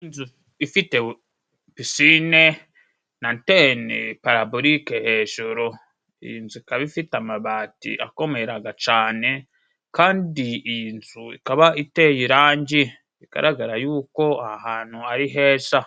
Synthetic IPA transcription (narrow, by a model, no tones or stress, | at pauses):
inzu | ifite | pisine | nantenepaɾaboɾikehe̞ːʒoɾo̞ | ḭjinzuikaβifitamaβaːtḭʔa̰ko̞meɾaɡat͡ʃaːne̞ | kaːndiiinzuḭkaβaitejiɾaːɲɟi | iɡ̥a̰ɾʔaɡaɾajuːko̞ahaːn̥huaɾiɦeːsa